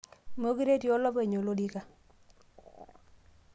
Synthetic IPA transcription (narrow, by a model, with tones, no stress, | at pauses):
mo˦ki˦ɾe˦tjo˦lɔ˦pe˨ɲo˨lo˦di˦ka˨